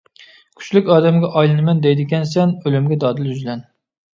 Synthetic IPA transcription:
kʲʰy̥t͡ʃlykʲɑːd̪ɛmɡʲɛʔɑjlˠɨnɨmɛnd̪ɛjd̪ɪɡʲɛnsɛnølymɡʲɛd̪ɑːd̪ɪljyzlɛn

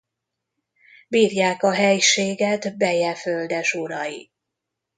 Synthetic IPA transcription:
biːrjaːkɒɦɛjʃeːɡɛt̪bɛjɛføld̪ɛʃuɾɒji

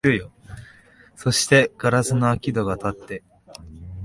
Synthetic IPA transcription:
ɯjo | so̞ɕi̥t̪e̞ɡ̥aɾasɨnoakʲid̪o̞ɡat̪at̪ːe̞

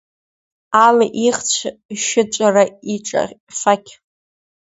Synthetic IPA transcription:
alaʔiχt͡ɕʷʰʃɪt͡ʃʷʼaraiʈ͡ʂʼa̰fakʲʰ

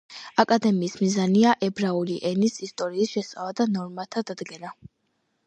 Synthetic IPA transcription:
akʼad̪ɛmiːsmizaniaʔɛbɾauliʔɛnisist̪ʼɔɾiːsʃɛsʼalˠad̪anɔɾmat̪ʰad̪ad̪ɡɛna

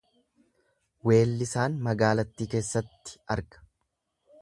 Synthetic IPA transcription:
we̞ːlːɪsaːnmɐɡaːlɐt̪ːiːke̞ːsːɐt̪ːɪ̥ɐɾɡɐ̥

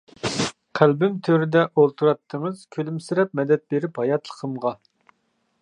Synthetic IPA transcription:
qʰælbymt̪ʰøɾɪd̪ɛʔolˠt̪ʰuɾɑt̪ʰːəŋəz̥kʲʰølymsɪɾɛp̚mɛd̪ɛt̪̚beɾɪphɑjɑt̪ʰlˠə̥qʰəmʁɑ

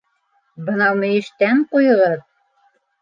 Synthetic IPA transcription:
bɤ̆nɑwmɘ̆jɘ̆ʃt̪æɴqujɤ̆ʁɤð

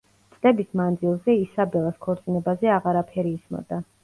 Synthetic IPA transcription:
t̪sʼlɛbismand̪zilˠzɛisabɛlˠaskʰɔɾt̪sʼinɛbazɛaʁaɾapʰɛɾiːsmɔ̰d̪̥a

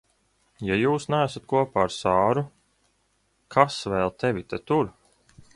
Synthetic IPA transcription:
jajuːsnæːsat̪̚kuɔpaːɾsaːɾu | kʰasvɛːlˠt̪evʲit̪et̪uɾ

